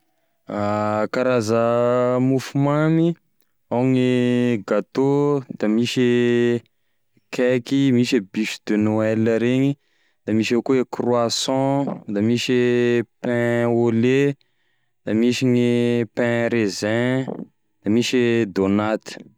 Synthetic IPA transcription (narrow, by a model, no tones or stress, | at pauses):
akaɾazəmufumami | awŋiɡat̪od̪̥amiʃi | kɛkimiʃibiʃid̪enoɛləɾeɲi | d̪̥amiʃakuekrwasɔ̃d̪amiʃipɛ̃ole | d̪̥amiʃiɲipɛ̃ɾezɛ̃ | d̪̥amiʃid̪onat̪i̥